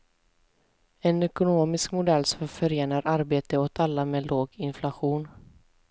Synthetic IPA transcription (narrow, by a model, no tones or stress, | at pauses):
ɛnɛkʊnoːmɪskmʊd̪ɛlːsɔfœɾeːnaɾʔaɾbeːt̪əot̪ʰalːameːloːɡɪnflaɧuːn